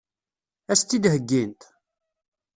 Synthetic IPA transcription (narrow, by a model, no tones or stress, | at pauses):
æst̪ːid̪həɡːint̪